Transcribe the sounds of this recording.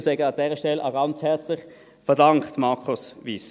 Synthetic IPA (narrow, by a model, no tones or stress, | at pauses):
sɛɡəɑd̥ɛːʁəʃtɛlʔa̰ɡɑnt͡shɛɐt͡slɪχ | fɛɐdɑŋktmɑʁkʰʊsviːs